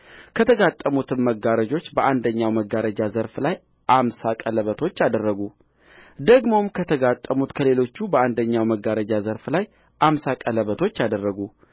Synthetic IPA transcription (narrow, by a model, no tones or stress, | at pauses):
kʰət̪ʰəɡat̪ʼːəmut̪ʰɨmːəɡaɾəd͡ʒo̞t͡ʃːbəʔand̪əɲːawməɡaɾəd͡ʒazəɾflaj | ʔamsakʼələβət̪ʰo̞t͡ʃːad̪ərːəɡu | d̪əɡmo̞mkʰət̪ʰəɡat̪ʼːəmut̪kʰəle̞lo̞t͡ʃːubəand̪əɲːawməɡaɾəd͡ʒazəɾflaj | ʔamsakʼələβət̪ʰo̞t͡ʃːad̪ərːəɡu